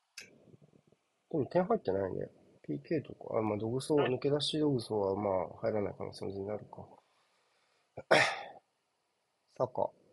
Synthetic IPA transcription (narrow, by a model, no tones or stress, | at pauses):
d̪̥emot̪ẽɰ̃ɦait̪ːe̞nainḛ | pʰʲiːke̞ːt̪o̞ka̰mad̪o̞ɡɯ̟soːnɯ̟ke̞d̪aɕid̪o̞ɡɯ̟soːβamaːhaiɾanaḭka̰no̰sẽnzeɲ̟inaɾɯ̟ka | saka̰